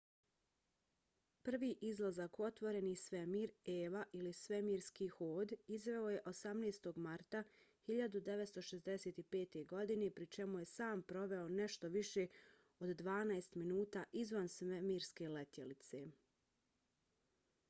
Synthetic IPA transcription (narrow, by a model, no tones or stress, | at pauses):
pr̩ʋiːʔizlˠazako̞t̪ʋo̞ɾe̞nisʋemiːɾeːʋaʔilisʋemiːɾskiːxoːd̪izʋe̞oje̞ʔo̞samneːst̪o̞ɡmaɾt̪ahiʎad̪ud̪e̞ʋet̪st̪o̞ʃezd̪ese̞ːt̪ipeːt̪e̞ɡo̞d̪ine̞pɾit͡ʃemuje̞saːmpɾo̞ʋe̞one̞ʃt̪o̞ʋiʃe̞ | od̪ːʋaːnajst̪minuːt̪aʔizʋansʋemiːɾske̞let̪jelit̪se̞